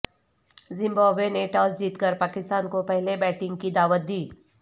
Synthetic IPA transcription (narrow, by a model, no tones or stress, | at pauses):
zɪ̃mbaːbeneʈaːsd͡ʒiːt̪kəɾpaːkɪst̪aːnkopɛɦlebɛːʈɪ̃ŋɡkid̪aːʋət̪̚d̪iː